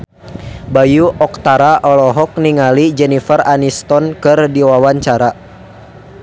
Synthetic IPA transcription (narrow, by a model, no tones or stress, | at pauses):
bajuʔɔk̚t̪aɾaʔɔlɔɦɔk̚niŋalid͡ʒɛnifəranist̪ɔnkɨrdiwawaɲt͡ʃaɾa